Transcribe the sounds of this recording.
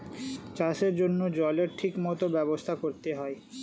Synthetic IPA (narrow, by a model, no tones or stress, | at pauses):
t͡ɕaʃeɾd͡ʑonːod͡ʑɔleɾʈʰikmɔt̪obɛbost̪ʰakoɾt̪eɦɔe